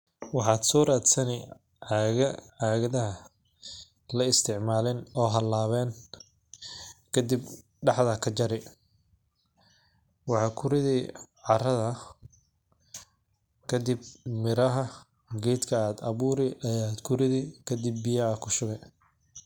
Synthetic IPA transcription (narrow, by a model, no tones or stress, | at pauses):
wɑħɑːd̪sɔːɾaːd̪sɐnɛ | ʕaːɣɐðɐɦɐ | lɐɪst̪ʰɪʕmaːlɛnɔːɦɐlaːβɛːn | kʰɐd̪ib | ɖɑħðɐkʰɐt͡ʃɐɾɛ | wɑħɑːkʰʊɾɪðɛjʕɑrɐðɐ | kʰɐd̪ɪbmɪɾɐɦɐ | ɡɛːd̪kʰɐaːd̪ɐβuːɾɛjʔɐjaːd̪kʰʊrɪðɛkʰɐd̪ɪbːɪjɐɐkʰʊʃʊɣɛj